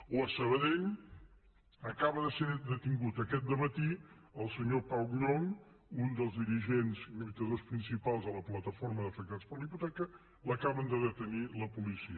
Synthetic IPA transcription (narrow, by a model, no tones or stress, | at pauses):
əsəβəðeʎ | əkaβəðəseɾd̪ət̪iŋɡut̪əkɛt̪̚d̪əβət̪iəlˠsəɲopawɡɾoŋ | und̪əlˠzðiɾiʒenzβit̪əðospɾinsipalˠzðələplət̪əfoɾməðəfək̚t̪aspəɾlˠiput̪ɛkə | ləkaβənd̪əðət̪əniləpulisiə